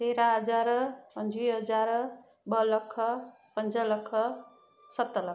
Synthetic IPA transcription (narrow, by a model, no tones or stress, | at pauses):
t̪eɾaɦʌd͡ʒaɾpʌnd͡ʒwiɦʌd͡ʒaɾ | bʌlʌkʰːʌ | pənd͡ʒʌlʌkʰːʌ | sʌt̪ːəlʌ